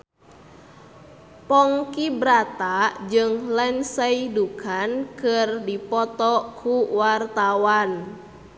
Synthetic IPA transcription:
pɔŋkibɾat̪ad͡ʒɨŋlɛnsəidukankərdipɔt̪ɔkʰuwart̪awan

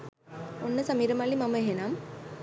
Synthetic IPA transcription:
onːɐsɐmiːɾɐmaːlimɐmɐeɦenaːm

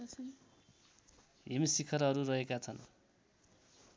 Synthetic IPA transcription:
ɦemisikʰʌɾʌɾuɾʌɦekat͡sʰʌn

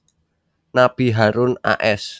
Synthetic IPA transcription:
nab̥i̤ɦaɾʊna̰ʔɛs

